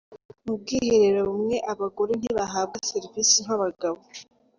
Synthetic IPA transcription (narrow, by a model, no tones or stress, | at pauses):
mub̚ɡiːheɾeɾoβumŋe̞ʔaβaɡo̞ɾen̥iβaɦaːb̚ɡaseɾivisiŋaβaɡaβo